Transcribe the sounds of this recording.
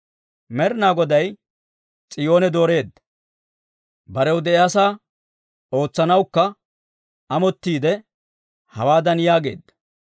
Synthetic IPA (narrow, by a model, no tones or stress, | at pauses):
mɛɾɪnaːɡɔd̪ɐj | t͡sʼɪjo̞ːnɛd̪o̞ːɾe̞ːd̪ːɐ | bɐɾɛwd̪ɛʔɛɐsaː | o̞ːt͡sːɐnɐwkːɐ | ɐmɔt̪ːiːd̪ɛ | hɐwaːd̪ɐnjaːɡe̞̰ːd̪ːɐ